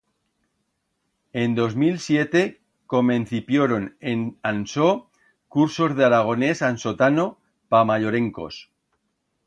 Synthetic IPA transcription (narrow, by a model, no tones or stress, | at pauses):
end̪o̞zmilsjet̪e̞ | komẽnθipjoɾo̞nenanso | kuɾso̞zðeaɾaɣ̞o̞ne̞sansot̪ano | pamaʎoɾẽ̞ŋko̞̰s